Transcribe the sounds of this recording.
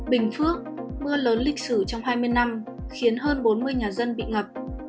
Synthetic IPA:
ɓï˨˩ŋ̟fɨ˦˥ək̚mɨ˧ələː˨˦nlï˨˩k̟̚sɨ˧˩t͡ɕɔ˧wŋ͡mɦaː˧jmɨ˧əjna˧m | xi˨˦ənɦəː˧nɓo˨˦nmɨ˧əjɲaː˨˩zə˧nɓḭ˧˨ŋə˨˩p̚

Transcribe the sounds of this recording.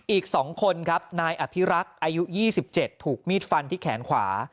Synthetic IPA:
ʔiː˨˩k̚sɔː˩˦ŋkʰo˧nkʰa˦˥p̚naː˧jʔa˨˩pʰi˦˥ɾa˦˥k̚ʔaː˧ju˦˥jiː˥˩si˨˩p̚t͡ɕe˨˩t̪ʰːuː˨˩k̚miː˥˩t̪̚fa˧nt̪ʰiː˥˩kʰɛ̰ː˩˦nkʰwa̰ː˩˦

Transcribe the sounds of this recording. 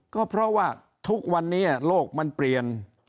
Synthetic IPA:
kɔː˥˩pʰɾɔ˦˥waː˥˩ | t̪ʰu˦˥k̚wa˧nːiː˦˥loː˥˩k̚ma˧npli˨˧ən

